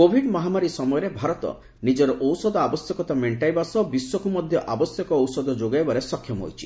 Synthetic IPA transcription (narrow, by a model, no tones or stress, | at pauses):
kobʱiɖmɔɦamaɾisɔmɔjɔɾebʱaɾɔt̪ɔ̰ | nid͡ʒɔɾɔʔɔwsɔd̪ɔabɔsjɔkɔt̪ameɳʈajbasɔbiswɔkumɔd̪ʱjɔʔabɔsjɔkɔːwsɔd̪ɔd͡ʒoɡajbaɾesɔkʰjɔmɔɦo̰jt͡ʃʰi̥